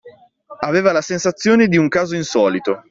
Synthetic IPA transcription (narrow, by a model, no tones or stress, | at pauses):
aveːvalasensat̪sːjoːned̪iuŋkaːzoinsɔːlit̪o